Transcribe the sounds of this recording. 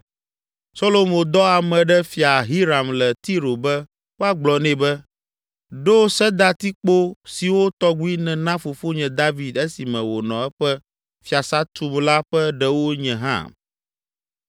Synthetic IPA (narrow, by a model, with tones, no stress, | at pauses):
so˦lo˨mõ˨d̪ɔ˦a˨mɛ̃˨ɖɛ˦fi˨a˨ɦi˦ɾa˨mlɛ˨t̪i˦ɾo˨bɛ˦ | wo˦a˦ɡ͡blɔ˨nɛ̃˨bɛ˦ | ɖo˦sɛ˦d̪a˦t̪i˦k͡po˦si˨wo˦t̪ɔ˦ɡu˦i˦nɛ̃˨nã˦fo˨fo˦ɲɛ̃˨d̪a˦vi˨d̪e˦si˨mɛ̃˨wo˨nɔ̰̃˨ɛ˦ɸɛ˦ | fi˨a˨sa˦t̪u˨mla˦ɸɛ˦ɖɛ˦wo˦ɲɛ̃˨ɦã̰˦˨